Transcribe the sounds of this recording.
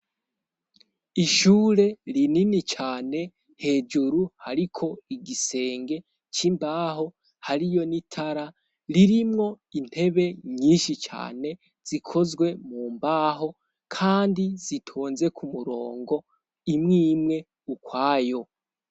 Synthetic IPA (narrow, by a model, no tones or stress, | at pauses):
iʃuːɾe̞ɾininit͡ʃaːne̞ | he̞ːd͡ʒuɾuhaɾikʰo̞iɡise̞ːŋɡe̞ | t͡ʃimbaːɦo̞ | haɾijo̞nitʰaɾa | ɾiɾimŋo̞ | in̥he̞βe̞ɲiːnʃit͡ʃa̰ːne̞ | z̥ikʰo̞zɡwe̞muːmbaɦo̞ | kʰaːndiz̥itʰuːnze̞kʰumuɾo̞ːŋɡo̞ | imŋiːmŋe̞ | ukwaːjo̞